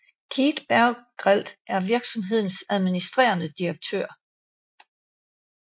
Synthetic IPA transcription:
kʰiːd̥b̥æɡ̥ʁal̰d̥ʔæɐʋiɐɡ̥sɒ̽mɦe̝ð̰ˠn̩sæðˠminisd̥ʁḛːɐnəd̥iɐɡ̥̚t͡sʰø̰ɐ̰

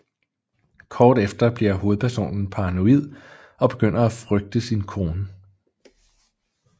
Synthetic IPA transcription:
kʰɒːd̥efd̥ɐb̥liɐ̰ɦo̝ːð̩ˠpʰæɐso̝̰ːnn̩pʰɑ̈ʁɑ̈no̝ið̞̰ˠ | ɒ̽b̥e̝ɡ̥øn̰ɐæfʁœɡ̥̚d̥əsinkʰo̝ːnə

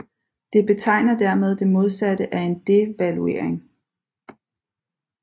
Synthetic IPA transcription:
d̥e̝b̥e̝t͡sʰɑ̈ɪ̰nɐd̥æɐmeð̞ˠd̥e̝mo̝ð̞ˠsæd̥əʔæe̝nd̥e̝ʋælue̝̰ɐ̰eŋ

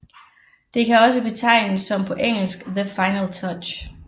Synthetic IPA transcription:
d̥e̝kʰæɒ̽səb̥e̝t͡sʰɑ̈ɪ̰nəsːɒ̽mpʰɒ̽ʔeŋ̰l̩sɡ̥ðəfɑ̈ɪnəlt͡sʰɒ̥ɕ

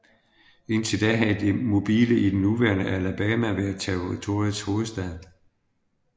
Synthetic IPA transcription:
e̝n̰t͡sʰe̝ld̥ɛɦæd̥e̝mo̝b̥iːləʔid̥enːuʋæɐnəʔælæb̥ɛːmæʋeɐt͡sʰæ̥oʁit͡sʰo̝ɐjəð̩ˠsho̝ːð̞̩ˠsd̥ɛðˠ

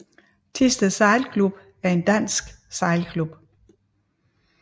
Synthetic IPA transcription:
t͡sʰisd̥əsɑ̈ɪlkʰlub̥ | æɐe̝nd̥æn̰sɡ̥ | sɑ̈ɪlkʰlub̥

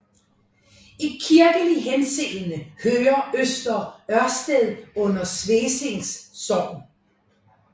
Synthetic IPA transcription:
ikʰiɐɡ̥əliɦenseːlnəhøːɐʔøsd̥ɐɶɐsd̥eðˠɔ̽n̰ɐsʋeːse̝ŋsːɒʊ̰n

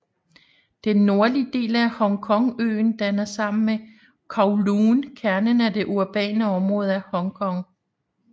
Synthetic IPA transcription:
d̥enːo̝ɐliəd̥e̝̰ːlæhɒ̽ŋkʰɒ̽ŋø̰ːnd̥ænɐsɑ̈m̰n̩me | kʰɑ̈ʊluːnkʰæɐnənæd̥e̝ʔuɐb̥ɛ̰ːnəɒ̽mʁɔ̽ːð̞̩ˠæhɒ̽ŋkʰɒ̽ŋ

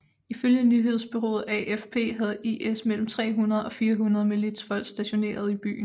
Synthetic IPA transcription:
iføljənyɦe̝ðˠsb̥yʁo̝̰ːð̞̩ˠæʔefpʰe̝̰ːɦæð̩ˠiesmel̰m̩t͡sʰʁɛ̰ːɦunɐð̩ˠɒ̽fiːɐɦunɐð̞̩ˠmilid̥sfɒ̽l̰̥sd̥æɕo̝ne̝̰ːɐð̞̩ˠib̥y̰ːn̩

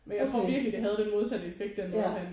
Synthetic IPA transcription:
menjɑ̈ɪt͡sʰʁo̝ɐ̰ʋiɐɡ̥lid̥e̝ɦæð̞̩ˠd̥enmoð̞ˠsæd̥əefeɡ̥̚d̥enæhæn

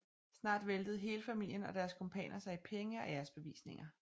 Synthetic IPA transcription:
snɑ̰̈ːd̥ʋeld̥əð̞̩ˠɦe̝ːləfæmil̰jənɒ̽d̥æːɐskʰɒmpʰɛ̰ːnʔɐsɑ̈ɪipʰeŋəɒ̽æɐsb̥e̝ʋḭːsne̝ŋɐ

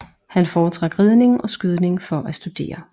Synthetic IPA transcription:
hænfɒːt͡sʰʁɑ̈ɡ̥ʁið̞ˠne̝ŋʔɒ̽sɡ̥yð̞ˠne̝ŋfɒ̽ʔæsd̥ud̥e̝̰ːɐ

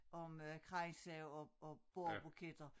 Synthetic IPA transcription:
ʔɒ̽møkʰʁɑɪŋsɛʊɒɒb̥o̝ɐ̰b̥ukʰed̥ɐ

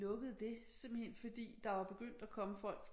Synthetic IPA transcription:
ɔ̽ɡ̥əð̩ˠd̥e̝simb̥l̩hen̰fɒ̽d̥ḭːd̥ɑ̈ʋɑ̈b̥e̝ɡ̥øn̰d̥ækʰɒ̽məfɒ̽l̰ɡ̥f

